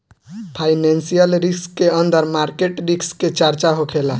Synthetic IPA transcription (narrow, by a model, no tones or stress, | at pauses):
pʰajnensijəlɾiskːeənd̪əɾmaɾkeʈɾiksket͡ʃaɾt͡ʃaɦokʰela